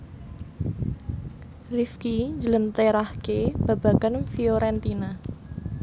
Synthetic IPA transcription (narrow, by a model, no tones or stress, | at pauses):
rifkiɲd͡ʒələnt̪eɾahkeb̥ab̥a̤ɡ̥anfioɾɛnt̪ina